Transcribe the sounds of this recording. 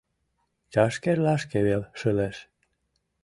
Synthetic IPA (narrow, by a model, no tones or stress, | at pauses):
t͡ɕɑʃkerlɑʃkeβelʃəleʃ